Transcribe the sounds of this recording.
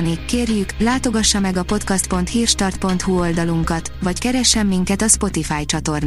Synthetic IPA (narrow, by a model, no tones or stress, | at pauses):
nikeːrjyklaːt̪o̞ɡɒʃːɒmɛɡɒpo̞t̪kɒst̪̚po̞nt̪hiːrʃt̪ɒrt̪̚po̞nt̪huo̞ld̪ɒluŋkɒt̪ʋɒckɛɾɛʃːɛmːiŋkɛt̪ɒspo̞t̪ifaːjt͡ʃɒt̪o̞rn